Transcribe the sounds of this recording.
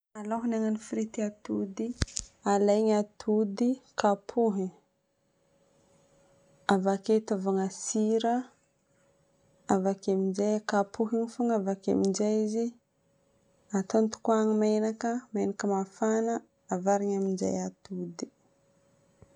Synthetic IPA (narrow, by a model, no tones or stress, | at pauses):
aloɦunaŋanifiɾit̪iat̪ud̪ialajɲat̪ʰud̪ikapʰuɦi | avaket̪avaŋasiɾə | avakaminzajakapuɦiɲifuŋavaka̰mind͡ʒajizi | at̪ont̪u̥kuaŋimenakəmenakəmafanəː | vaɾiɲamind͡ʒa̰jat̪ud̪i̥